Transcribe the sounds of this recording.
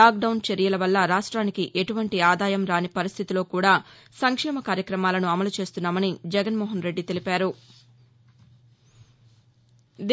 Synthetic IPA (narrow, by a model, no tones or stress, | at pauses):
aːk̚ɖɐwnt͡ʃɐɾijɐlɐʋɐlːɐɾaːʂʈɾaːnikiʔe̞ʈuʋɐɳʈiaːd̪aːjɐmɾaːnipɐɾist̪ʰit̪ilo̞ːkuːɽaː | sɐŋkʂɛːmɐkaːɾjɐkɾɐmaːlɐnuɐmɐlut͡ʃe̞ːst̪unːaːmɐnid͡ʒɛɡɐnmɔːɦɐnɾe̞ɖːit̪e̞lipaːɾu | d̪